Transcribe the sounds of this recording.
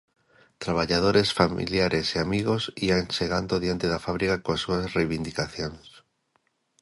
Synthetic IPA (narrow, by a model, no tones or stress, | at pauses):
t̪ɾaβ̞aʎaðoɾesfamḭljaɾʔeseamiɣosianseɣ̞and̪oðjant̪eðafaβɾikakoasːuasrejβind̪ikaθjones